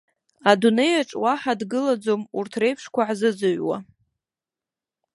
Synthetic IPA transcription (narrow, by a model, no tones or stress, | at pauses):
adune̞jaʈ͡ʂʼwaħadɡɨlad͡zomurtʰre̞jpʰʂkʷʰaʕzɨd͡zɨɥwa̰